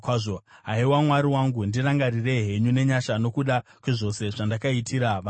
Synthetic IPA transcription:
kwaʐoɦaiwamwaɾiwaŋɡundiraŋɡarire̞ɦe̞ɲune̞ɲaʃano̞kuɗakwiʐo̞se̞ʐandakaitʰiɾaʋa

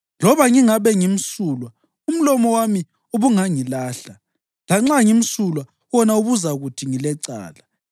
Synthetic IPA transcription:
lɔβaŋiŋaβɛŋim̩suːlwa | um̩lɔmɔwami | uβuŋaŋilaːɬa | laŋ͡ǁaŋim̩sulwa | wɔnauβuzaɣutʰiŋilɛǀa̰ːla

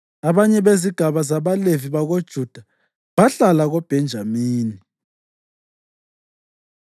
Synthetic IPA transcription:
aβaɲɛβeziɡ̥ʱaβazaβaleviβaɣod̥ʒ̥ʱud̥ʱa | βaɬalaɣob̥ʱɛnd͡ʒʱamiːni

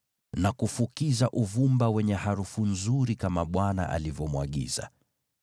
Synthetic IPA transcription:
nakufukizaʔuvumbawɛɲɛhaɾufunzuɾikamaɓwana̰ʔa̰livɔmwaɠḭza̰

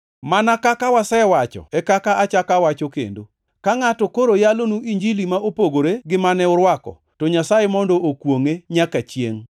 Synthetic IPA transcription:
manakakawasɛwat͡ʃɔ̰ɛkakaat͡ʃakawat͡ʃokḛndo̰ | kaŋatɔkoɾojalonuʔiɲd͡ʒilimaopoɡoɾeɡɪmanɛʊɾwakɔ̰ | tɔɲasajemɔndɔʔokwoŋeɲakat͡ʃjḛŋ

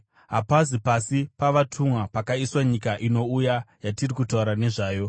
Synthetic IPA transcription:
ɦapazipasipaʋatʰumwapakaiswaɲikaʔino̞ujajatirikutauɾane̞ʐaːjo̞

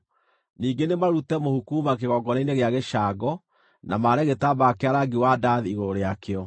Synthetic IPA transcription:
niːŋɡenemaɾutɛmohukumakeɣɔɡɔneineɣeaɣeʃaːɡɔ | nʔamaːɾɛɣetabakeaɾaɡiwadaðiiɣoɾoɾeakeɔ

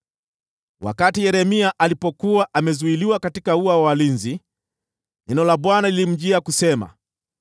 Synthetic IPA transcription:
wa̰katijɛɾɛmiaʔalipɔkuwaʔamɛzuiliwakatikauawawalinzi | nɛnɔlaɓwanalilim̩ʄiakusɛma̰

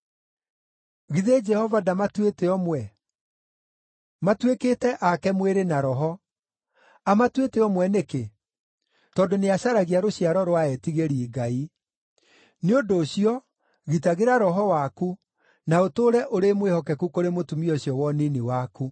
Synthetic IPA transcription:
ɣiðed͡ʒɛhɔvadamatweteɔmwɛ | matwekeːtɛʔakɛmweɾenaɾɔɦɔ | amatweteɔmwɛneke | tɔndoneaɕaɾaɣiaɾoɕjaɾɔɾwaɛtiɣeɾiːɡai | neondoːɕiɔ | ɣitaɣeɾaɾɔɦɔwaku | naotoɾɛʔoɾemwehɔkɛkukoɾemotumiɔɕjɔwɔniniwaku

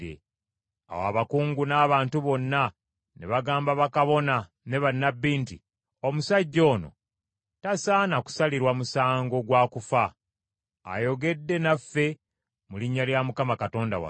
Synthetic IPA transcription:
ḛ | a̰wa̰βakuːŋɡunaːβaːntuβo̞nːa | nḛβaɡaːmbaβakaβo̞na | ne̞βanːabːiːntḭ | omusaɟːo̞ːno̞̰ | tasaːnaku̥saliɾwamusaːŋɡo̞ɡwaːkufa̰ː | jo̞ɡe̞dːe̞nafːe̞ | muliɲːaljamukamakato̞ːnda̰wa̰

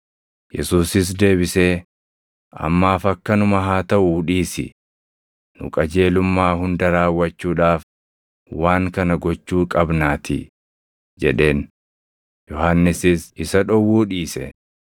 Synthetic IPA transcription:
jɛ̰suːsɪs̬d̪e̞ːbɪse̞ː | ɐ̰mːaːfɐkːɐnʊmɐɦaːt̪ɐʔuᶑiːsɪ̰ | nʊ̰kʼɐd͡ʒe̞ːlʊmːaːhʊnd̪ɐɾaːwːɐt͡ʃːuːᶑaːf | waːŋkɐnɐɡɔt͡ʃːuːkʼɐbnaːt̪ʰɪ | d͡ʒɛᶑe̞ːn | jɔhanːɪsɪsɪsɐᶑɔwːuːᶑiːsɛ̰

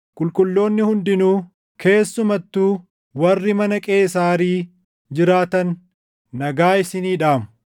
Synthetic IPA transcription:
kʼʊlkʼʊlːo̞ːnːɪhʊnd̪ɪnuː | kʰe̞ːsːʊmɐt̪ːuː | wɐrːɪmɐnɐkʼe̞ːs̬aːɾiː | d͡ʒɪɾaːt̪ɐnː | ɐɡaːɪsɪniːᶑaːmʊ̥

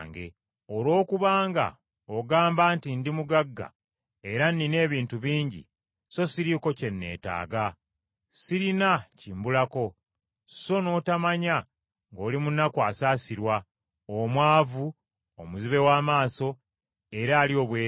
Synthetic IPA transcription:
ŋɡe̞̰ | olwo̞ːkuβaːŋɡa̰ | oɡaːmbaːntindimuɡaɡːa̰ | e̞ɾanːine̞ːβiːntuβiːɲɟḭ | so̞siɾiko̞ce̞nːe̞̰ːta̰ːɡa | siɾinacimbulako̞ | so̞no̞ːtamaɲa | ŋɡo̞ːlimunːakwaːsaːsiɾwa | omwaːvu | omuziβe̞waːmaːso̞ | e̞ɾaːlio̞ːβweː

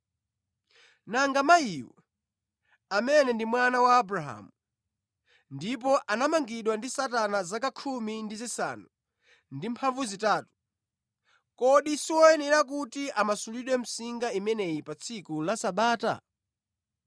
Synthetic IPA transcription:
naŋɡamaiwɔ̰ | amɛnɛndimwanawaːbɾaɦa̰ːmu | ndipɔʔanamaŋɡiɗwandisatanazakakʰumindizisa̰ːnu | ndimpʰaɱvuzitaːtu̥ | kɔɗisiwɔɛnɛɾak̬utiʔamasuliɗwɛm̩siŋɡaimɛnɛjipat͡sʰikulasaɓaːta̰

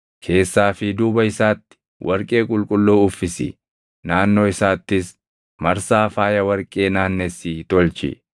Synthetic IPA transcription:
kʰe̞ːsːaːfɪd̪uːbɐɪsaːt̪ːɪ̥ | wʔɐɾkʼe̞ːkʼʊlkʼʊlːoːʊfːɪsɪ̰ | naːnːo̞ːɪsaːt̪ːɪs | mɐɾsaːfaːjɐwɐɾkʼe̞ːnaːnːɛsiːt̪ɔlt͡ʃɪ̰

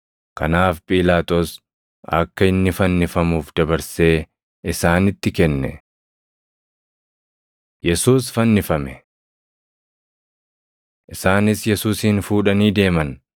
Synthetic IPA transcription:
kɐ̰naːfpʼiːlaːt̪o̞ːs | ɐ̰kːɐɪnːɪfɐnːɪfɐmuːfd̪̥ɐbɐɾse̞ː | ɪsaːnɪt̪ːɪkɛnːɛ̰ | jɛsuːsfɐnːɪfɐmɛ | ʔɪsaːnɪsjɛsuːsiːnfuːᶑɐniːd̪e̞ːmɐn

